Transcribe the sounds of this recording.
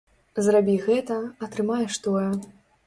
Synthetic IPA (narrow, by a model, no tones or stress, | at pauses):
zrabʲiɣɛt̪ɐɐt̪ɾɨmajɛʂt̪ɔjɛ